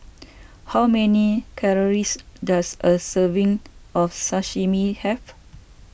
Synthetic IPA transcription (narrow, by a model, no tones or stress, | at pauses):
hawmɛnikʰɛɹɔɹisdasʔəsəvĩŋʔɔfsaʃimihɛv